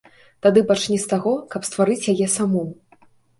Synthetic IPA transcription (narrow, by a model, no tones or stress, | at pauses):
t̪ad̪ɨpat͡ʂnʲɛst̪aɣɔkɐpst̪vaɾɨt͡sʲjajɛsamɔ